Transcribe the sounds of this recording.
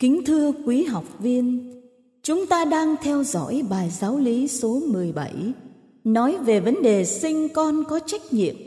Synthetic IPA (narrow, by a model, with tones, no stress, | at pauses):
kï˨˦ŋ̟t̪ʰɨ˧əkwi˨˦ɦa˨˩wk͡p̚vi˧ən | t͡ɕʊ˨˦ŋ͡mt̪aː˧ɗaː˧ŋt̪ʰɛ˧wzɔ̰˧˥˨jɓaː˨˩jzaː˨˦wli˨˦so˨˦mɨ˨˩əjɓə˧˩j | nɔ˨˦jve˨˩və˨˦nɗe˨˩sï˧ŋ̟kɔ˧nkɔ˨˦t͡ɕa˦˥jk̟̚ɲḭ˧˨əm